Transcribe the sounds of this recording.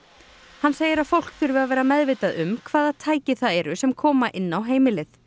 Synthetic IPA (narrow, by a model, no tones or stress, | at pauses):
hanːseːjɪɾaðfowl̥kfɪɾvɪðavɛːɾamɛðvejt̪aðʏmkʰvaːðaðt̪ʰaːjcɪθaðɛɾʏsɛmkʰɔːmaʔɪnːawɦeːjmɪlɪθ